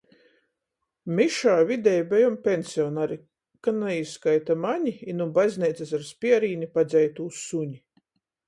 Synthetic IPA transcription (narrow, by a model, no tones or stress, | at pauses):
miʃaːvid̪ʲɛjbʲɛjɔmpʲensʲiɔnaɾi | kanɛisːkajt̪amaɲiinubajzʲnijt̪sasaɾspʲiɛɾiːnipad̪zʲɛjt̪uːsuɲʲi